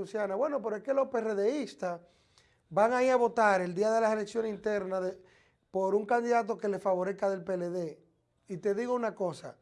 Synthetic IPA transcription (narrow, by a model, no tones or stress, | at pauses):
usjanaβwe̞no̞p̬e̞ɾoeskelo̞hpe̞reðeist̪as | baŋaiaβo̞t̪aɾe̞ld̪iaðe̞lasele̞ksjo̞nesint̪e̞ɾnaðe | po̞ɾuŋkand̪iðat̪̬o̞ke̞le̞sfaβo̞ɾehkaðe̞lpeleðe̞ | it̪e̞ðiɣo̞unako̞sa̰